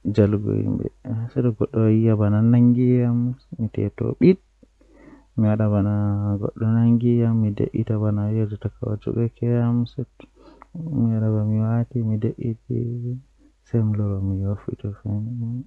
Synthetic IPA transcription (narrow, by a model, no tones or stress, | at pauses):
d͡ʒalɡo̰hḭmbɛ̰sɛdɔɡɔɗːɔijabananaŋɡijamːitɛ̰tɔ̰ɓiɗ | miwaɗaβanaɡɔ̰ɗːɔnaŋɡijamːidḛʔitabanajɛd͡ʒataka̰wa̰d͡ʒṵɡɛkɛjamsɛ | miwaɗabamiwatimideʔitḭ | sɛmilɔɾɔmijofḭtɔfɛnimɔ